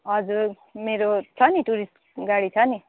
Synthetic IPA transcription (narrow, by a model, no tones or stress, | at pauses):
ʌd͡zuɾ | meɾot͡sʰʌniʈuɾisʈ | ɡaɽit͡sʰʌni